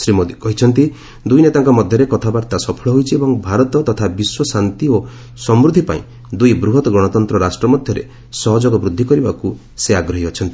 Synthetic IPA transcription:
sɾimod̪ikɔɦit͡ʃʰɔnt̪i | d̪ujnet̪aŋkɔmɔd̪ʱjɔɾekɔt̪ʰabaɾt̪asɔpʰɔɭɔɦojt͡ʃʰiebɔŋbʱaɾɔt̪ɔt̪ɔt̪ʰabiswɔsant̪io | sɔmɾud̪ʱipa̰ḭ̃ | d̪ujbɾuɦɔt̪ɔɡɾɔɽ̃ɔt̪ɔnt̪ɾɔɾasʈɾɔmɔd̪ʱjɔɾḛ | sɔɦɔd͡ʒɔɡɔbɾud̪ʱːikɔɾibaku | seaɡɾɔɦiɔt͡ʃʰɔnt̪i̥

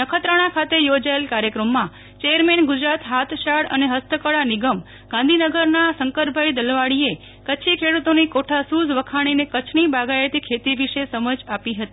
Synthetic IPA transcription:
nəkʰət̪ɾəɽ̃ãkʰat̪ejod͡ʒaelkaɾjəkɾəmːã | t͡ʃejəɾmenɡʊd͡ʒɾat̪ɦat̪ʰʃaɽə̰neɦəst̪əkəɽaniɡəm | ɡãnd̪ʱinəɡəɾnasəŋkəɾbʱaid̪əlʋaɽie | kət͡ʃʰikʰeɽut̪onikoʈʰasuzʋəkʰaɽ̃inekət͡ʃʰnibaɡaet̪ikʰet̪iʋiʃesəməd͡ʒapiɦət̪i

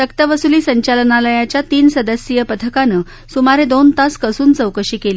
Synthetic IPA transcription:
t̪əkt̪əʋəsuliːsəɲt͡ɕalənaləjat͡ɕjat̪iːnsəd̪əsjəpət̪ʰəkanə | sumaɾed̪ont̪askəsuːnt͡səwkəɕiːkeliː

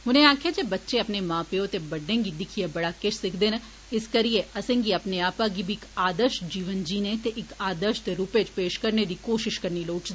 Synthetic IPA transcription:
ɦʊnẽaːkʰjed͡ʒebɐtːʃeɐpnemãːpeot̪ebɐɖẽːŋɡid̪ɪkʰijebɐɽakeʃʰsɪkʰd̪eːnɐ | ɪskɐɾieʔɐsẽŋɡiɐpneaːpaɡibʱikaːd̪əɾʃd͡ʒiːʋənd͡ʒiːnet̪eʔɪkaːd̪əɾʃt̪eɾuːpet͡ʃpeːʃkɐɾned̪ikoːʃɪʃkɐɾniloːʈd̪e

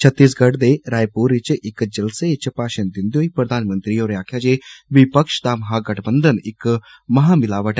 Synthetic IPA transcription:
t͡ʃʰɐt̪ːis̬ɡɐɽd̪eɾaːjpuɾit͡ʃʔɪkd͡ʒɐlset͡ʃpaːʃənd̪ind̪joipɾɐd̪ʱaːnmənt̪ɾijoːɾjaːkʰjad͡ʒeʋipəkʃt̪aːmɐɦaːɡɐʈʰbənd̪ʱənɪk | mɐɦamɪlaːʋəʈ

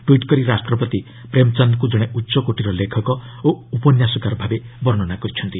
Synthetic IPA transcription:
ʈwiʈkɔɾiɾasʈɾɔpɔt̪i | pɾemt͡ʃɔnd̪kud͡ʒɔɽ̃eʔutːsɔkoʈiɾɔlekʰɔkɔ | oupɔnjasɔkaɾɔbʱabebɔɾɳɔnakɔɾit͡ʃʰɔnt̪i

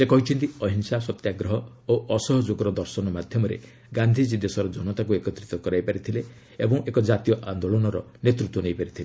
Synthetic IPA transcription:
sekɔɦit͡ʃʰɔnt̪iɔɦinsasɔt̪jaɡɾɔɦɔ | oʔɔsɔɦɔd͡ʒoɡɔɾɔd̪ɔɾsɔnɔmad̪ʱjɔmɔɾḛ | ɡand̪ʱid͡ʒid̪esɔɾɔd͡ʒɔnɔt̪akuekɔt̪ɾit̪ɔkɔɾajpaɾit̪ʰile | ebɔŋʔekɔd͡ʒat̪ijɔʔand̪oɭɔnɔɾɔ | net̪ɾut̪wɔnejpaɾit̪ʰile

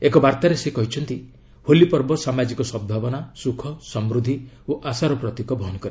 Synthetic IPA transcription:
ekɔbaɾt̪aɾesekɔɦit͡ʃʰɔnt̪i | holipɔɾbɔsamad͡ʒikɔsɔb̚d̪ʱabɔnasukʰɔsɔmɾud̪ʱi | oʔasaɾɔpɾɔt̪ikɔbʱɔɦɔnɔkɔɾe

